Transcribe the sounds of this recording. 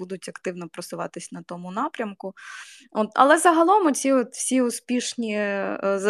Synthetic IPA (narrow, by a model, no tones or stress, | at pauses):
ud̪ʊtʲɐkt̪ɪwnɔpɾɔsʊʋɑ̰t̪ɪsʲnɐt̪ɔmʊnɑpɾʲɐmkʊ | ot̪ɐ̰lˠɛzɐɦɐlˠɔmɔt͡sʲiɔt̪wsʲiʊspʲiʃnʲizɐ